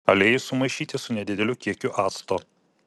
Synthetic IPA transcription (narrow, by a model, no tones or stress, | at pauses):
ɐlʲeːjʊsʊmɐɪʃʲiːt̪ʲɪsʊnʲɛd̪ʲɪd̪ʲɛlʲʊkʲiɛkʲʊʔɑːt̪st̪oː